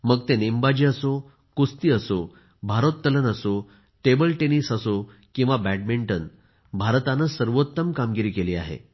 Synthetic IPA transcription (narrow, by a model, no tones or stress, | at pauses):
məɡ̚t̪enembad͡ʑiːəso | kust̪iːəso | bʱaɾot̪ːələnəso | ʈebəlʈenisəso | kĩw̃ʋabæʈ̚miɳʈən | bʱaɾt̪anəsəɾʋot̪ːəmkamɡiɾiːkeliːa̰ɦḛ